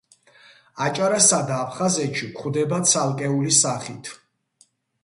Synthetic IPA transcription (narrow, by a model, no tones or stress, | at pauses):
at͡ʃʼaɾasad̪aːpʰχazɛt̪ʃikʰχwd̪ɛbat̪sʰalˠkʼɛulisaχit̪ʰ